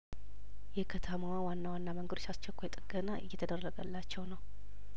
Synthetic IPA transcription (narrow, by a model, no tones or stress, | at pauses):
jɛkʰət̪ʰəməwawanːawanːaməŋɡəd̪ot͡ʃːast͡ʃːɛkʷʰːojɛt̪ʼɨɡənaʔɨ̰jːɛt̪ʰəd̪ərːəɡəlːat͡ʃːɛwnəw